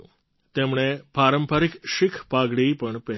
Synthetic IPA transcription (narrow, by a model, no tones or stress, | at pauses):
t̪emɽ̃epaɾəmpaɾikʃikʰpaɡɽipəɳpɛɦ